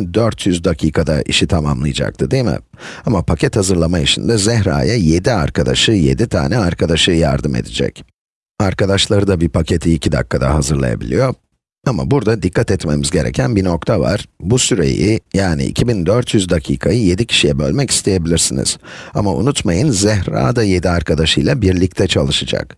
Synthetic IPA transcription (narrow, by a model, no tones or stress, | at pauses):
nd̪øɾt̪ʰjyzd̪acʰiːkʰad̪aʔḭʃit̪ʰamamlˠɯjad͡ʒa̰k̚t̪ʰɯd̪emɪ̰ | amapʰacʰɛt̪hazɯɾlˠamaiʃḭnd̪ɛzɛɦɾa̰ːjaje̞d̪iaɾkʰad̪aʃɯːje̞̰d̪it̪ʰa̰ːnɛaɾkʰad̪aʃɯːja̰ɾd̪ɯme̞̰d̪id͡ʒɛ̰c | aɾkad̪aʃlˠaɾɯd̪abipʰacʰe̞t̪ʰiːcʰid̪a̰kːad̪a̰ɦazɯɾlˠa̰ja̰bilʲijo̞ | ama̰buɾd̪ad̪ikʰːat̪ɛt̪me̞mizɟe̞ɾʔɛ̰cʰænbino̞kt̪ʰava̰ɾ̥busyɾe̞̰jijaːnḭʔḭcʰibind̪øɾt̪ʰjyzd̪acʰiːkʰajɯje̞d̪icʰi̥ʃijɛbø̞lʲmɛci̥st̪ʰe̞je̞bilʲiɾsinḭz̥a̰maṵnut̪majɯnzɛɦɾa̰ːd̪aje̞d̪iaɾkʰad̪aʃɯjlˠabiɾlʲic̚t̪ʰɛt͡ʃʰalˠɯʃad͡ʒa̰k